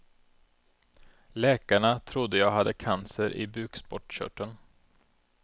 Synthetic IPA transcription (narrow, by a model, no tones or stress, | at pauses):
lɛːkaɳat̪ʰɾʊd̪ːəjaːɡɦad̪ːəkʰansəɾʔɪ̰bʉ̟ːkspɔʈɕœ̰ʈːən